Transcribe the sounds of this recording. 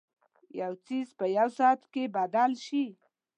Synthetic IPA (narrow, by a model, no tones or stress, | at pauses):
jawt͡sizpəjawsɑt̪kebad̪alʃi